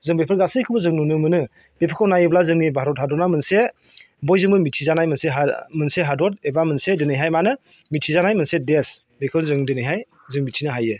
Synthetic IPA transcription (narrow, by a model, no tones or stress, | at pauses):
zɯŋbepʰɯɾɡasɯjkʰɯbɯzɯŋnunɯmɯnɯ | b̥epʰɯkʰawnajɯblazɯŋnibaɾɔt̚hadɔtnamɯnse | bɔjzɯŋbɯmitʰizanajmɯnseɦamɯnseɦadɔt̚ebamɯnsedɯnɯjɦajmanɯ | mitʰizanajmɯnsedes | bekʰɯwzɯŋdɯnɯjɦaj | zɯŋmitʰinɯɦajɯ